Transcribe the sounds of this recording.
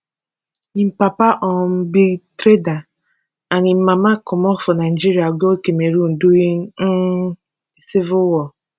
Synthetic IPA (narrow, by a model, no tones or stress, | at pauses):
nim̩papaʔɔm̩bitɾeda | anɪm̩mamakʊmɔfʊnad͡ʒiɾiaɡokemeɾun̩duɣi | sivʊwɔ